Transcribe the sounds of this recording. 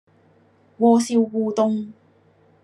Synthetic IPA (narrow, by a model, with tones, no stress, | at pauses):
wɔː˧si˧wkuː˨˧t̪ʊ˧ŋ